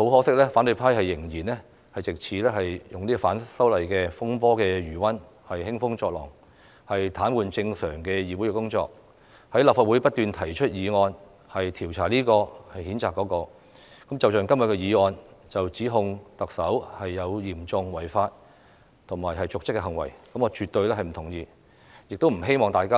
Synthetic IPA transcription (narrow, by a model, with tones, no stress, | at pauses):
ho˨˥whɔː˨˥sɪ˥k̚lɛː˥faː˨˥nt̪ɵ˧pʰaː˥jhɐ˨jːɪ˨˩ŋjiː˨˩nɛː˥ | hɐ˨jt͡sɪ˨k̚t͡sʰiː˨˥lɛː˥ɦɐ˨jjʊ˨ŋliː˥kɔ˧˩faː˨˥nsɐ˥wlɐ˨jkɛː˧fʊ˥ŋpɔː˥kɛː˧jyː˨˩wɐ˥n | hɐ˨jhɪ˥ŋfʊ˥ŋt͡sɔː˧k̚lɔ̰ː˨˩ŋ | hɐ˨jt̪ʰaː˨˥nwuː˨˧nt͡sɪ˧ŋsœː˨˩ŋkɛː˧jiː˨˧wu˨˥jkɛ˧kʊ˥ŋt͡sɔ̰ː˧k̚ | hɐ˨˥jlaː˨pfa˧t̚wuː˨˥jpɐ˥t̚t̪yː˨nt̪ʰɐ˨˩jt͡ʃʰɵ˥t̚jiː˨˧ŋɔː˧n | hɐ˨jt̪ʰiː˨˩wt͡sʰaː˨˩liː˥kɔː˧hɐ˨jhiː˨˥nt͡saː˨kːɔː˨˧˥kɔː˧ | kɐ˨˥mt͡sɐ˨wt͡ʃœː˨ŋkɐ˥mwɐ˨t̚kɛ˧jiː˨˧ŋɔː˧nt͡sɐ˨wt͡siː˨˥ɦʊ˧ŋt̪ɐ˨k̚sɐ˨˥whɐ˨jːɐ˨˧wjiː˨˩mt͡sʊ˧ŋwɐ˨˩jfaː˧t̚ | t̪ʰʊ˨˩ŋmaː˨jɦɐ˨jt͡sʊ˨k̚t͡sɪ˥kːɛ˧ɦɐ˨ŋwɐ̰˨˩jkɐ˨˥mŋɔː˧t͡ʃyː˨t̪ɵ˧ɥlɛː˥ɦɐ˨jm̩˨˩t̪ʰʊ˨˩ŋjiː˧ | jɪ˨k̚t̪o˥wm̩˨˩ɦe˥jmɔː˨ŋt̪aː˨jkaː˥